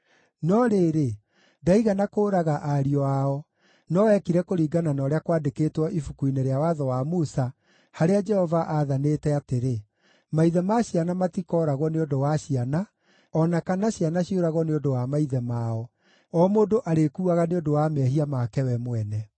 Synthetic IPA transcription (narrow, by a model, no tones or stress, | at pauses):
nɔɾeɾe | daiɣanakoːɾaɣaʔaɾiɔaɔ | nɔwɛkiɾɛkoɾiːɡananɔɾeakwaːdekeːtwɔʔifukuineɾeawaðɔwamusa | haɾead͡ʒɛhɔvaʔaːðanetɛateɾe | maiðɛmaɕianamatikɔɾaɣwɔneondowaɕiana | ɔnakanaɕianaɕioɾaɣɔneondowamaiðɛmaɔ | ɔmoːndoʔaɾekuaɣaneondowamɛɦiamakɛwɛmwɛnɛ